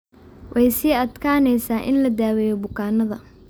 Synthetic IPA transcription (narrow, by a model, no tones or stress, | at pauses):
wʔɛjsiːɐd̪kʰaːnɛjsaːʔɪnlɐd̪aːwɛjɔbʊkʰaːnɐðɐ